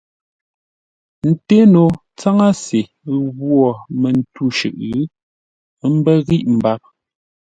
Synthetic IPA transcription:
n̩˨te˦no˨ | t͡sa˦ŋa˦se˨ | ɣwɔ˦˨mɛ˨n˨tu˦˨ʃʉ̰˨ʔ | m̩˦bɛ˦ɣi˦ʔm̩˨ba˦˨p̚

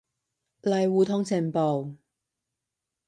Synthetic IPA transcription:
lɐ˨jwuː˨˩t̪ʰɔ˧˥ŋt͡sʰɪ˨˩npo˨˩w

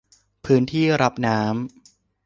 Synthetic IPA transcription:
pʰɯː˦˥nt̪ʰiː˥˩ɾa˦˥p̚naː˦˥m

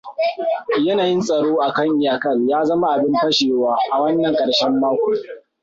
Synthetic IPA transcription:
jɐ˦naː˨jɪ˦nsʼɐ˨ɽoː˦ʔa˨kɐ˦ŋʔɪ˦˨jaː˨kɐ˦ljaː˦zɐ˦ma˦ʔa˨bɪ˦mpɐ˦ʃeː˨waː˦ʔa˨wɐ˦nːɐ˨ŋkʼɐ˨ɽʃɛ˦mːaː˦kʷuː˨˦

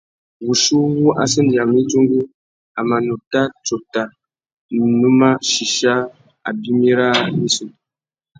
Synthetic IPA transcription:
wu˨ʃu˦wu˦ʔa̰˨sə˦ndja˨mi˦tu˦ŋɡu˦ | a˨ma˨nu˨ta˦t͡ʃo˨ta˨ | nu˦ma˦ʃi˨ʃa˦ | a̰˨bi˦mi˦ɾa˦mi˦su˨

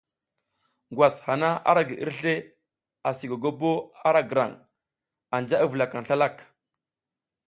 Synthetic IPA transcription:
ɡwa˨sha˨na˦a̰˦ɾa˦ɡi˨ʔḭ˦ɾɬe˦ | a˨si˨ɡa˨ɡo˦bo˦a˦ɾa˦ɡə˨ɾa̰˨ŋ | a˨nd͡ʒa˦a˦və˨la˨ka˨ŋ˨ɬa˦la˦˨k

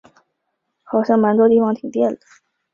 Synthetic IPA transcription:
xɑ˨˩ʊɕjɑ˥˩ŋma˧˥nt̪wɔ˥t̪i˥˩fɑ˧˥ŋt̪ʰi˨˩ŋt̪jɛ˥˩nlə˩

